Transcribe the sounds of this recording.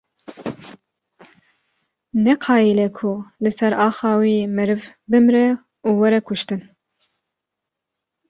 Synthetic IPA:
nɛqʰɑːjilɛkʰʊlɨsɛɾɑːxɑːwiːmɨɾɨvbɨmɾɛ | uːwɛɾɛkʊʃt̪ɨn

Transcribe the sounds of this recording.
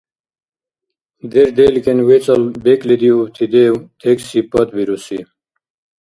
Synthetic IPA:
d̪eɾd̪elkenwet͡sɐlbeklid̪iubt̪ʰid̪ewt̪ʰeksipɐt̪biɾusḭ

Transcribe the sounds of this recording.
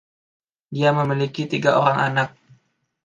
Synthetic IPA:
diaməmilikit̪iɡaoɾaŋʔanak̚

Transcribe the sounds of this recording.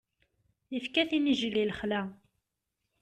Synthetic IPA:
ifkæθiniʒliləχlæ

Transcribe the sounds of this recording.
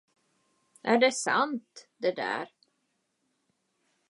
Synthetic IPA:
ʔæɖɛsa̰nt̪d̪ɛd̪æ̰ɾ

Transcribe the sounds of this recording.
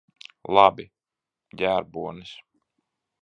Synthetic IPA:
lˠɑbi | ɟʲæːɾbuɔnis

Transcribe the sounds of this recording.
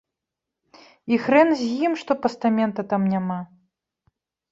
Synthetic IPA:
ixɾɛnzʲjimʂt̪ɔpɐst̪amʲɛnt̪ɐt̪amnʲama

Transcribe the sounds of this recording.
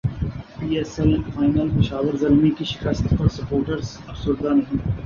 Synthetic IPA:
piːeːsɛl̃nfaːɪnəlpɪʃaːʋəɾzɐlmikiʃɪ̥kəst̪pɐɾsɐpoːɾʈəɾz | ɐfsʊɾd̪anɐɦĩː

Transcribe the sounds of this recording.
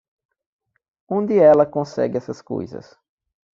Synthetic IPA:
õnd̪ɪɛlɐkõsɛ̰ɡɪɛsɐsko̰jzɐ̰s

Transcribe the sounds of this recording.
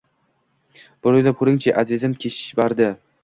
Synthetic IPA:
b̥ʊɾojlap̚kʰʊɾɪŋt͡ʃʰaʔazɪzɪmkʲʰeʃvaɾd̪ɪ

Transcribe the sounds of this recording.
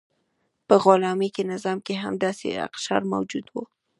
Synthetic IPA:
pəɣolɑmekenɪzɑmkeɦa̰md̪ɑsḛa̰qʃɑ̰ɾma̰wd͡ʒud̪wu

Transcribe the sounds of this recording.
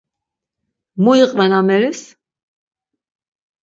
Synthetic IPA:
mujiqʼvɛnamɛɾis

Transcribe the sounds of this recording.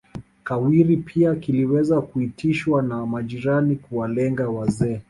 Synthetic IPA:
kawiɾipʰiakiliwɛzakuitiʃwanamaʄiɾanikuwalɛŋɡawazɛː

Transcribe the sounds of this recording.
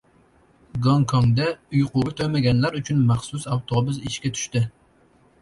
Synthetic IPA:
ɡɑŋkʰɔŋd̪ɛujqʊɡɨt̪ʰømɛɡʲɛnlæɾyt͡ʃʰynmɑχsusɑwt̪ʰobʊziʃkʲɛt̪ʰy̥ʃt̪ɪ

